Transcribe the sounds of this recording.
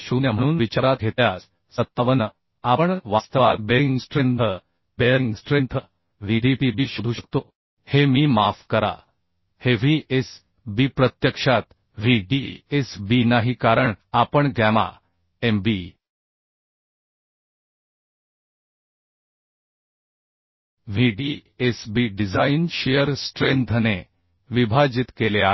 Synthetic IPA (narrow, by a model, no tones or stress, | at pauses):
ɕuːnjam̤əɽ̃uːnʋit͡ɕaɾat̪̚ɡʱet̪jas | sət̪ːaʋənə | apəɳʋast̪əʋa̰ɾbeiŋɡsʈɾent̪ʰə | beɾiŋɡsʈɾent̪ʰə | ʋiɖipibiːɕud̪ʱuːɕək̚t̪o | hemiːmafkəɾa̰ | heʋ̤ies | bipɾət̪jəkʂat̪ | ʋ̤iɖiesbinaɦikaɾəɳapəɳɡɛma̰ | embi | ʋiɖiesbiɖid͡zainɕejəɾsʈɾent̪ʰne | ʋibʱad͡ʑit̪kelea